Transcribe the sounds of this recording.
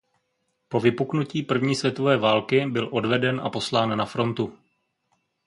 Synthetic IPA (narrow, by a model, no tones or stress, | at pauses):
po̞vɪpuknuciːpr̩vɲiːsvʲjɛt̪ovɛːvaːlkɪbɪlʔo̞dvɛdɛnʔa̰po̞slaːnːafɾo̞nt̪u